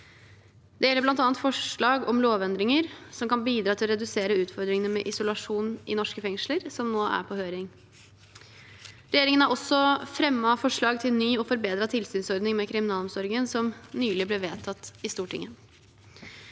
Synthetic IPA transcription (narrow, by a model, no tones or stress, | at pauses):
d̪̥ɛjɛlːəb̪ɑnt̪ɑːnt̪fɔʂɭɑːɡɔmloːʋɛnd̪ɾɪŋəɾsɔmkɑnbiːd̪ɾɑːt̪ʰɪlɔɾɛd̪ʉseːɾəʉːt̪fɔɾd̪ɾɪŋənəmɛ̰ʔɪsʊlɑʂuːnʔɪ̰nɔʂkəfɛŋʂləɾsɔmnoːʔæ̰ɾpʰɔhøːɾɪŋ | ɾɛjeːɾɪŋənæɾʔɔsːɔfɾɛmːɑfɔʂɭɑːɡt̪ʰɪlnyːɔfɔɾbeːd̪ɾɑt̪ʰɪlsyːnsɔɾd̪nɪŋmɛkʰɾɪmɪnɑːlɔmsɔɾɪɡənsɔmnyːlɪblɪʋeːt̪ʰɑt̪ːɪst̪uːʈʰɪ̰ŋːə